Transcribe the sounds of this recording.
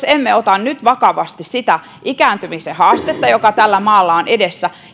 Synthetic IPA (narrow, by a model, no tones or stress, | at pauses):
semːeot̪ɑnnyt̪ʋɑkɑʋɑst̪issit̪æ | ʔikæːnt̪ymisehɑːst̪et̪ːɑjokɑt̪ælːæmɑːlːɑonedesːæ